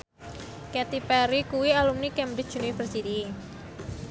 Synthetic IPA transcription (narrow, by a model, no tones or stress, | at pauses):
kɛt̪ipɛɾikuwialumnikɛmbɾɪt͡ʃ̚dd͡ʒ̥unuipɾesidiː